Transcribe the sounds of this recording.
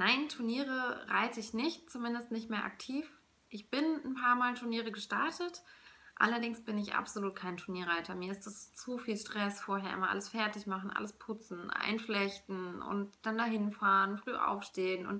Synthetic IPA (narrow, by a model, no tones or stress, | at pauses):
naɪntʰuɐniːʁəʁaɪtəɪçnɪçtt͡sumɪndəstnɪçtmeːɐʔa̰k̚tʰiːf | ʔɪçb̥ɪnnpʰaːɐmaːltʰuɐniːʁ̞əɡəʃtaɐtʰətʔa̰lɐdɪŋsb̥ɪnɪçʔa̰pz̥oluːt̚kʰaɪntʰʊɐniːɐʁ̞aɪtʰɐmiːɐɪstast͡sufiːlʃtʁ̥ɛsfoːɐɦeːɐʔɪ̰mɐʔa̰ləsfɛɐtɪçmaχn̩ʔa̰ləspʰʊt͡sn̩ʔa̰ɪnflɛçtn̩ʊ̰ntd̥andaɦɪnfaːʁənfʁ̥yːʔa̰ʊfʃteːənʊ̰nt